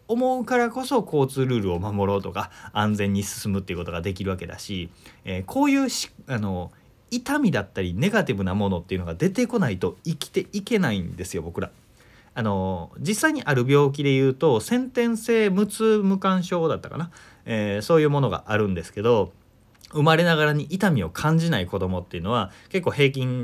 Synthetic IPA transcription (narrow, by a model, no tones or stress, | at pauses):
o̞mo̞ɯkaɾako̞so̞ko̞ːt͡sɨːɾɯ̟ːɾɯ̟o̞mamo̞ɾo̞ːt̪o̞kaãnd͡zẽ̞ɲ̟ːisɨ̥sɨmɯ̟t̪ːeiɯ̟ko̞t̪o̞ɡad̪e̞k̬ʲiɾɯ̟βake̞d̪a̰ɕieːkʰo̞ːjɯ̟ːɕi̥ano̞ | it̪amʲid̪at̪ːaɾʲine̞ɡat̪ibɯ̟namo̞not̪ːeiɯ̟no̞ɡad̪e̞t̪e̞ko̞nait̪o̞ikʲi̥t̪e̞ike̞naĩnd̪e̞sɨjo̞bo̞kɯ̟ɾa | ano̞d͡ʑisːaiɲ̟iʔaɾɯ̟bʲo̞ːk̬ʲid̪e̞jɯ̟ːt̪o̞sẽ̞nt̪ẽ̞ɰ̃se̞ːmɯ̟t͡sɨmɯ̟kãɰ̃ɕo̞ːd̪at̪ːaka̰na | eːso̞ːjɯ̟ːmo̞no̞ɡa̰ʔaɾɯ̟̃nd̪e̞sɨ̥ke̞d̪o̞ | ɯ̟maɾe̞naɣaɾaɲ̟iʔit̪amʲio̞kʰãɲ̟d͡ʑinaiko̞d̪o̞mo̞t̪ːe̞iɯ̟no̞βake̞kːo̞ːɦe̞ːk̬ʲĩŋ